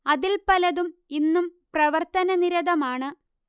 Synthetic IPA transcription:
ɐðilpɐlɐðuminːumprɐʋɐrt̪ɐnɐniɾɐðɐmaːɳɨ

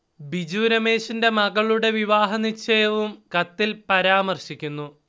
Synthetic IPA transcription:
bid͡ʑuːɾɐme̞ːʂinde̞mɐɡɐɭuɽe̞ʋiʋaːɦɐnit͡ɕːɐjɐʋumkɐt̪ːilpɐɾaːmɐrɕikʲːunːu

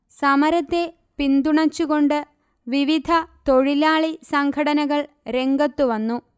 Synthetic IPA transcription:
sɐmɐɾɐt̪ːe̞ | pind̪uɳɐt͡ɕːuɣo̞ɳɖɨ | ʋiʋid̪ʱɐt̪o̞ɻilaːɭisɐŋɡʰʱɐɽɐnɐɣɐɭ | ɾe̞ŋɡɐt̪ːuʋɐnːu

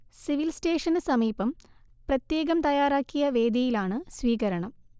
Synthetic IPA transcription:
siʋilsteːʂɐnɨsɐmiːbɐm | prɐt̪je̞ːɣɐmt̪ɐjaːɾaːkːijɐʋe̞ːd̪ʱɐjilaːɳɨsʋiːɣɐɾɐɳɐm

